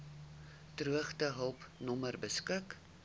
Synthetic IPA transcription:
truəχtəɦəlˠpnɔmərbəskək

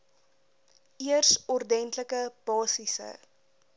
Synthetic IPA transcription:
iərsɔrdɛntləkəb̥ɑːsisə̰

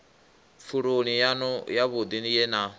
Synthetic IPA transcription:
fʰuɺonijanɔjaβod̪inijɛna

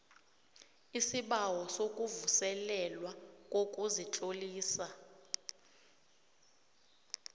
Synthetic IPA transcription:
isiɓawɔsokʼuvusɛlɛlwakʼokʼuzit͡ɬʼoliːsa

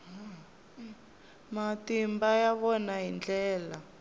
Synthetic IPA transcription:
matimbajaβɔnaɦind͡ɮɛːla

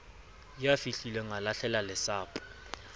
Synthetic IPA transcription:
jafiɬilɛŋalaɬɛlalɛsaːpʼʊ̥

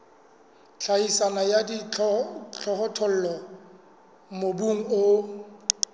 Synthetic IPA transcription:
t͡ɬʰaisanajadi | t͡ɬʰɔɦɔtʰɔl̩lɔ | mobuŋ̩ʊ

